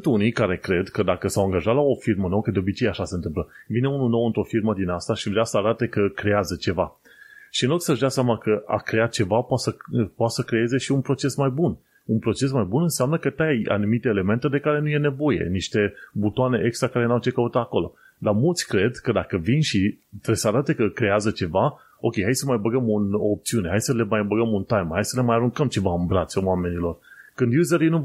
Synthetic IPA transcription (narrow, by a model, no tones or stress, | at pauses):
ɨnt̪unikaɾe̞kɾe̞d̪kəd̪akəsawaŋɡaʒat̪lao̞firmənowəkəd̪eo̞bit͡ʃejeaʃase̞nt̪ɨmpləvine̞ununo̞wɨnt̪ɾo̞firməd̪inast̪aʃivɾeasəaɾat̪e̞kəkɾe̞jazət͡ʃe̞va̰ | ʃiɨnloɡ̪səʒd̪aseamakəa̰kɾe̞at̪̚t͡ʃe̞vapoasəpoat̪səkɾe̞je̞ze̞ʃiunpɾo̞t͡ʃe̞smajbun | unpɾo̞t͡ʃe̞smajbunɨnseamnəkət̪aja̰numit̪e̞ːle̞me̞nt̪e̞d̪e̞kaɾe̞nuje̞ne̞vo̞je̞̰niʃt̪e̞but̪oane̞ʔekst̪ɾakaɾeawt͡ʃekəut̪aako̞lo̞̰ | d̪amult̪sʲkɾe̞d̪kəd̪akəvinʃit̪ɾebsəaɾat̪e̞kəkɾe̞azət͡ʃe̞va | o̞kʲejɦajsəmajbəɡəmunoːp̚t̪siune̞ɦajsəle̞majbəɡəmunt̪ajmhajsəle̞majaɾuŋkəmt͡ʃe̞vaɨnbɾat̪sʲowame̞nilo̞rkɨnd̪juzeɾinu